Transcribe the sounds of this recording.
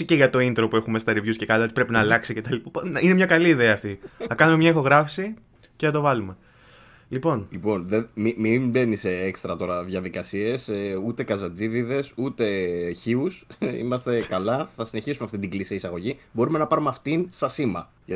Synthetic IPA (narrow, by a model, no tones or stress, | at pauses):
iceʝɐt̪o̞int̪ɾo̞pue̞xume̞st̪ɐɾivʝusce̞kɐloot̪i̥pɾe̞pinɐːlɐksicet̪ɐlippinemɲɐkɐliːðe̞ɐːft̪iθɐkɐnume̞mɲɐixo̞ɣɾɐfsi | ceθɐt̪o̞vɐlume̞ | lipo̞nlipo̞nðemimimbe̞niseekst̪ɾɐt̪o̞ɾɐðjɐðikɐsie̞seut̪e̞kɐzɐd͡ziðiðe̞sut̪e̞çiusḭmɐst̪e̞kɐlɐθɐsine̞çisumeɐft̪it̪iɡlisiisɐɣo̞ʝibo̞ɾume̞nɐpɐɾumeɐft̪insɐsimɐ̰ | ʝ